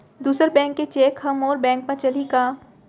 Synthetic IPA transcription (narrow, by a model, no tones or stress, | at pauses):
d̪uːsəɾbɛ̃ːŋkːet͡ʃeːkhɦɐmɔːɾbɛ̃ːŋkmẽt͡ʃɐlikaː